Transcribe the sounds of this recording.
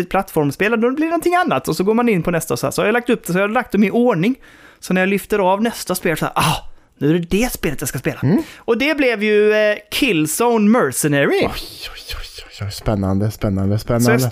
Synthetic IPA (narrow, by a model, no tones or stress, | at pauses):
ɪt̪pʰlat̪ːfɔɾmspeːlad̪ɔblɪɾnɔnt̪ʰɪŋːanːat̪ɔsɔɡoːɾmanɪnːpʰɔnɛst̪aɔsɔhæ̰ɾsɔhajalak̚t̪ɵp̚ːd̪̥ɛsɔhajalak̚t̪̚d̪ɔmɪoːɳɪŋ | sɔnæɾjalʏft̪əɾɑvnɛst̪aspeːlsɔ̰ːɾʔɑː | nʉ̟æɾɛd̪ɛspeːlət̪jaskaspeːlaʔɔd̪ɛblɛvjɵkʰɪlsɔʊnmœɾsɛnæɾɪɔjɔɔjɔ̥jspɛnːa̰nd̪əspɛnːand̪əspɛnːad̪ə